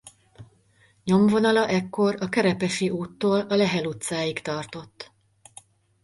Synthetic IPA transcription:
ɲo̞mvo̞nɒlɒʔɛkːo̞rɒkɛɾɛpɛʃiʔuːt̪ːoːlɒlɛɦɛlut̪saːjikt̪ɒrt̪o̞t̪ː

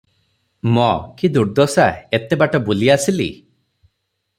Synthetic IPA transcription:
mɔkid̪uɾd̪ɔsaet̪ebaʈɔbuliasilḭ

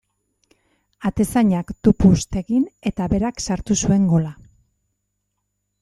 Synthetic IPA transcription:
at̪e̞saɲakt̪upust̪e̞ɣine̞t̪aβe̞ɾaksaɾt̪usue̞ŋɡo̞la

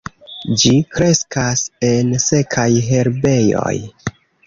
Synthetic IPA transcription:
d͡ʒikɾe̞skase̞nse̞kʰajɦe̞ɾbe̞jo̰j

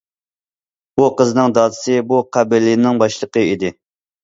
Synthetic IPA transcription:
buqəznɨŋd̪ɑːd̪ɨ̥sɨbuqʰæbɪɾlːɪnːɪŋbɑʃlˠəqəid̪ɪ

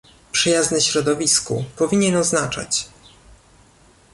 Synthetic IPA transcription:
pʂɘjaznɛɕɾɔd̪ɔvʲiskṵpɔvʲiɲɛnɔznat͡ʂa̰t͡ɕ

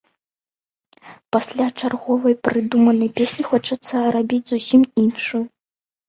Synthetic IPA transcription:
pasʲlʲat͡ʂarɣɔvɐjpɾɨd̪umɐnɐjpʲesʲnʲixɔt͡ʂɐt̪sːɐrabʲid͡zʲzusʲiminʂuju

